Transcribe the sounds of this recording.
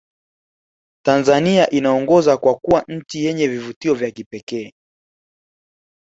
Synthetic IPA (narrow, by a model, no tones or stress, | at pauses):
tanzaniaʔinaɔŋɡɔzakwakuwan̩t͡ʃijɛɲɛvivutiɔvjakipɛkɛː